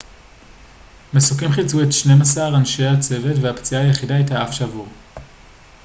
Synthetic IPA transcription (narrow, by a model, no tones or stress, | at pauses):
mesukimχit͡suetʃne̞masaʁanʃe̞jat͡se̞ve̞tveapt͡siaːjeχidaijtaafʃavuʁ